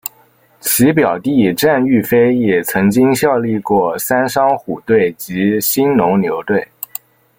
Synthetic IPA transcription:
t͡ɕʰi˧˥pjɑ˨˩ʊt̪i˥˩ʈ͡ʂa˥˧ny˥˩fe˥ɪjɛ˨˩t͡sʰɤ˧˥ŋt͡ɕi˥ŋɕjɑ˥˧ʊli˥˧kwɔ˥˩sa˥nʂɑ˥ŋxu˨˩t̪we˥˩ɪt͡ɕi˧˥ɕi˥nnʊ˧˥ŋnjo˧˥ʊt̪we˥˩ɪ

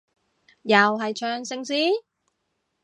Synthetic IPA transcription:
jɐ˨wɦɐ˨jt͡ʃʰœː˧ŋsɪ˧ŋsiː˥

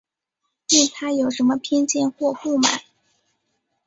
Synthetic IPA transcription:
ti˥˩nt̪ʰa˥jo˨˩ʊʂə˧˥nmə˧pʰjɛ˥nt͡ɕjɛ˥˧nxwɔ˥˧xu˥˩ma̰˨˩˦

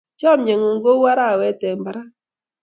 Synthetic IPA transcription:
t͡ʃɔ˦˨mɲe˨ŋo˨ŋɡo˦wa˦ɾa˦˨wɛ˨˦tɛ˨mba˨ɾa˦

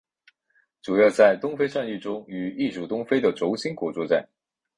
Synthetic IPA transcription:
ʈ͡ʂu˨˩jɑ˥˧ʊt͡sa˥˩ɪt̪ʊ˥ŋfe˥ɪʂa˥˧ny˥˩ʈ͡ʂʊ˥ŋy˧˩i˥˩ʂu˨˩t̪ʊ˥ŋfe˥ɪd̪ə˨ʈ͡ʂo˧˥ʊɕi˥ŋkwɔ˧˥t͡swɔ˥˧t͡sa˥˩ɪ

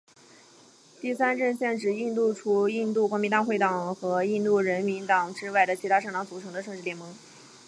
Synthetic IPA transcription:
t̪i˥˩sa˥nʈ͡ʂə˥˧nɕjɛ˥˩nʈ͡ʂɻ̩˨˩i˥˧t̪u˥˩ʈ͡ʂʰu˧˥i˥˧nt̪u˥˩kwɔ˧˥mi˧˥nt̪a˥˧xwe˥˩ɪt̪ɑ˨˩ŋxɤ˧˥i˥˧nt̪u˥˩ɻə˧˥nmi˧˥nt̪ɑ˨˩ŋʈ͡ʂɻ̩˥wa˥˩ɪd̪ə˩t͡ɕʰi˧˥t̪ʰa˥ʂɤ˥˩ŋt̪ɑ˧˥ŋt͡su˨˩ʈ͡ʂʰɤ˧˥ŋd̪ə˧ʂɤ˥˧ŋʈ͡ʂɻ̩˩ljɛ˧˥nmɤ˧˥ŋ

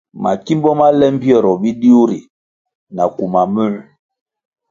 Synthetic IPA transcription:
ma̰˨ki˦mbɔ˦ma˦lɛ˦m˦pi˦ɔ˨ɾɔ˨bi˦di˦o˦ɾi˨ | na˨ku˨ma˨mu˦˨

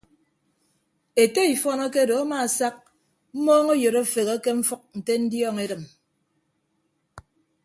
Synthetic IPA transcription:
e˨te˦i˨fɔ˦nɔ˦ke˦do˨a˦ma˨sa˦k̚ | m̩˦moː˦ŋo˦jo˨ɾo˦˨fe˨ɣe˦ke˦ɱ̩˦fɔ˦k̚n̩˨te˦n̩˦djɔː˦ŋe˦ɾɨ˨m

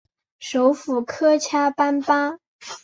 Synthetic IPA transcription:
ʂo˧˥ʊfu˨˩kʰɤ˥t͡ɕʰja˥pa˥npa˥

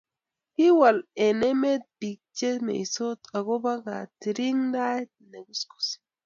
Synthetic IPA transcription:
hi˦wa˨le˨ne˦me˦t̪̚bi˨k̚t͡ʃe˦mḛ˨i˨so˦t̪a˨ɡo˦ba˦ɡa˨ti˨ɾi˦ŋda˦t̚ne˨ɡu˦sku̥˨si̥

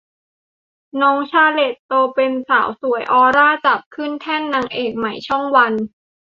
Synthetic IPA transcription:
nɔː˦˥ŋt͡ɕʰaː˧le˨˩t̪ːoː˧pe˧nsa̰ː˩˦wsu˨˩˦əjʔɔː˧ɾaː˥˩t͡ɕa˨˩p̚kʰɯ˥˩nt̪ʰɛ˥˩nːa˧ŋʔeː˨˩k̚ma˨˩˦jt͡ɕʰɔ˥˩ŋwa˧n

